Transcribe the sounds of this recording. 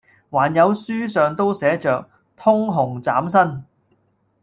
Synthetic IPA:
waː˨˩njɐ˨˧wsyː˥sœː˨ŋt̪o˥wsɛː˨˥t͡ʃœː˨k̚ | t̪ʰʊ˥ŋɦʊ˨˩ŋt͡saː˨˥ms̬ɐ˥n

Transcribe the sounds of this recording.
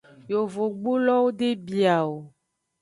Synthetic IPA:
jo˨vo˨ɡ͡bo˦lɔ˦wo˦ɖe˦bi˨a˨wo˨

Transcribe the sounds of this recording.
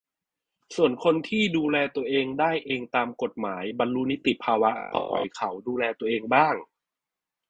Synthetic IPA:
su˨˩ənkʰo˧nt̪ʰiː˥˩duː˧lɛː˧t̪u˧ɐʔeː˧ŋdaː˥˩jʔeː˧ŋt̪aː˧mko˨˩t̪̚maː˩˦jba˧nlu˦˥ni˦˥t̪i˨˩pʰaː˧wa˦˥ɔ̰˨˦˩jkʰa˩˦wduː˧lɛː˧t̪u˧ɐʔeː˧ŋbaː˥˩ŋ

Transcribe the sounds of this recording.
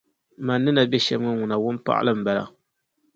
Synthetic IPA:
ma˨nːɨ˦na˨bɛ˦ʃɛ˦bŋɨ˦ŋʊ˨na˨wʊ˦npa̰˦ʔa̰˦lɨ˦m̩˨ba˨la̰˨

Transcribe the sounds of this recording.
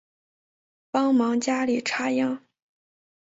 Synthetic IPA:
pɑ˥ŋmɑ˧˥ŋt͡ɕja˥li˨˩ʈ͡ʂʰa˥jɑ˥˩ŋ

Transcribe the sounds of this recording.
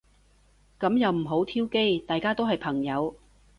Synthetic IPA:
kɐ˨˥mjɐ˨wm̩˨˩ɦo˨˥wt̪ʰiː˥wke˥jt̪aː˨jkaː˥t̪o˥wɦɐ˨jpʰɐ˨˩ŋjɐ˨˧w

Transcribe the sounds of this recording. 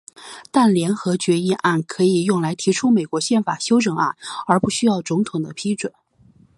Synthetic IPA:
t̪a˥˩nljɛ˧˥nxɤ˧˥t͡ɕɥɛ˧˥i˥˧ʔa˥˩nkʰɤ˧˥i˨˩jʊ˥˩ŋla˧˥ɪt̪ʰi˧˥ʈ͡ʂʰu˥me˨˩ɪkwɔ˧˥ɕjɛ˥˩nfa˨˩ɕjo˥ʊʈ͡ʂɤ˨˩ŋa̰˥˩nə˞˧˥pu˥˩ɕy˥jɑ˥˩ʊt͡sʊ˧˥ŋt̪ʰʊ˨˩ŋd̪ə̰˦pʰi˥ʈ͡ʂwə˨˩˦n

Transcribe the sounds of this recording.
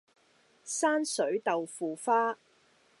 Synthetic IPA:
saː˥nsɵ˨˥ɥt̪ɐ˨wfuː˨faː˥

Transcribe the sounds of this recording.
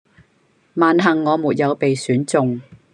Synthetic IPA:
maː˨nɦɐ˨˩ŋːɔː˨˧muː˨t̚jɐ˨˧wpe˨jsyː˨˥nt͡sʊ˨˧ŋ

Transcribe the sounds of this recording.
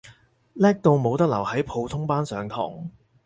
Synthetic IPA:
lɛː˥k̚t̪o˧wmo˨˧wt̪ɐ˥k̚lɐ̰˨˩whɐ˨˥jpʰo˨˧wt̪ʰʊ˥ŋpaː˥nsœː˨˧ŋt̪ʰɔ̰ː˨˩ŋ

